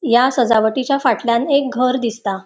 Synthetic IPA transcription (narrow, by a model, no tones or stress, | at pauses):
jasəd͡zaʋəʈit͡ɕjafaʈljanek̚ɡʱəɾd̪ist̪a